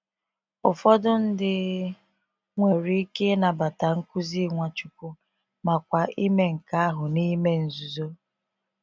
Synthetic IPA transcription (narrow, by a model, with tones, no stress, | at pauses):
ʊ˨fɔ˦dʊ˦n̩˦dɪ˦˨ | ŋʷe˨ɾi˦ke˦na˨ba˨ta˨ŋ̩˦ku˦zi˦ŋʷa˨t͡ʃu˦kʊ˦ | ma˨kʷa˨ʔi˦me˦ŋ̩˨ka˦a˦ɦʊ˨ni˦me˦n̩˨zu˨zo˦